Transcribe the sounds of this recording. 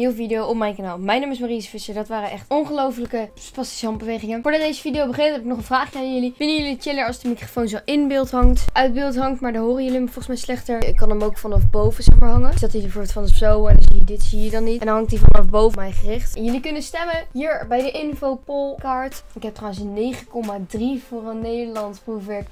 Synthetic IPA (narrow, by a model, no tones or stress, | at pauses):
niwəvidejowɔpmɛjnkanaːlˠmɛjnaːmɪs̬marisəfɪsəɹdɑtʋaːɾəʔɛχtɔnχəlowfələkəpɑsti̥sɑmbəʋejχɪŋənfʊːɹdɑtdejzəfidijowbəχentɦɛpɪknɔχənvraːχjajɵliʋɪlənjɵliət͡ʃɪləɹɑlˠsdəmikrofownzoʔɪnbɪlˠtɦɑŋtʔœɥd̚bɪːlˠtɦɑŋtmaːɹdɔɦoːrəjəliəmfɔlˠχəsmɛjslɛχtəɹɪkɑnəmowkfɑnɑfbowvəz̥ɛχmaːɹɦɑŋəsd̥ɑtibɛvoːɹbɪlˠtfɑnəpsowɛndnsiədɪtsiədɑnːitɛndɔnɦɑŋktdivɑnɑfbowvəmɛjχərɪχtɛnjɵlikʏnənstɛmənɦiːɹbɛjdəʔɪnfowpolˠkaːɹtɪkɦɛp̚trawənsənːejχəkɔmadrivʊːrənːejdəlɑntsprufʋɛɹk